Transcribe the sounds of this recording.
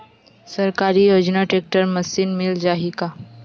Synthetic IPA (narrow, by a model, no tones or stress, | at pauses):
səɾkaɾijod͡ʒnaʈɾek̚ʈəɾməsinmild͡ʒaɦika